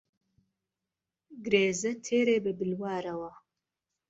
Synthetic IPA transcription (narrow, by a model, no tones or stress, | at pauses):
ɡɾeːzɐt̪ʰeːɾeːbɨbɨlwaːɾɐwɐ